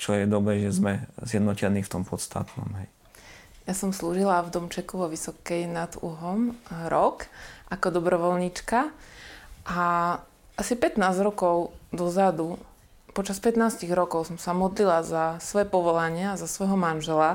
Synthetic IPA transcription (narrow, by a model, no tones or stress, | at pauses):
t͡ʃɔjɛd̪ɔbɾɛːʒɛzmɛzjɛd̪nɔcɛniːft̪ɔmpɔt̪st̪ʰa̰t̪nɔ̰mɦɛj | jasɔmsluːʒilavd̪ɔmt͡ʃɛkuʋɔʋisɔkɛjnad̪ṵɦɔmɾɔkʔakɔd̪ɔbɾɔʋɔlɲit͡ʃka | ʔa | ʔasipɛt̪naːzɾɔkɔʊd̪ɔzad̪u | pɔt͡ʃaspɛt̪naːsciɣɾɔkɔʊsɔmsamɔd̪lilazasʋɔjɛpɔʋɔlaɲɪaːzasʋɔjɦɔmanʒɛla